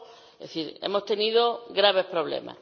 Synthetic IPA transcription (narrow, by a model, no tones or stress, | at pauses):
eθiɾḛmost̪e̞niðoɡɾaβe̞hpɾoβlḛma̰